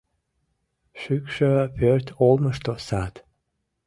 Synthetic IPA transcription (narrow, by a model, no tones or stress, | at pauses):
ʃykʲʃəpørt̪ʲʰolməʃt̪osat̪